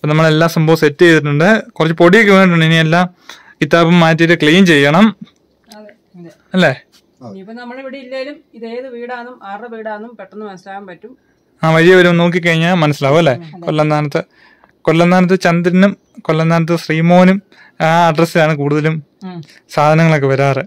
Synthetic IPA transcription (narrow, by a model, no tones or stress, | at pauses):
ipːonɐmːɐɭe̞lːaːsɐmbʱoːʋɐsetːuejðiʈ̬ːuɳɖɨkurɐt͡ɕːɨpo̞ɽiek̬ʲːʋeːniʈ̬ːuɳɖinielːaːm | kit̪aːbumːaːjt̪̬ːiɾɨkɭeːmt͡ɕe̞jːɐɳɐm | ɐ | ɐlːe | ɐnɐmːɐɭeʋiɽeilːɐlum | iðejɐðɨʋiːɽaːnumaːrɨʋiːɽaːnːumpeʈːɐnːɨmɐnɐsilaːʋɐmpɐtːum | aːʋɐɻijɐʋɐɾumno̞ːk̬ːik̬ːɐɻiɲːamɐnɐsilaːʋɐlːe̞ːkolːɐnd̪aːnɐt̪ːɨ | kolːɐnʱaːnɐt̪̬ːɨt͡ɕɐnd̪iɾɐnum | kolːɐnd̪aːnɐt̪̬ːɨsriːmo̞ːnum | aɐɖrɐsilaːɳɨk̬uːɽuðɐlum | saːd̪ʱɐnɐŋːɐɭo̞kːeʋɐɾaːrɨ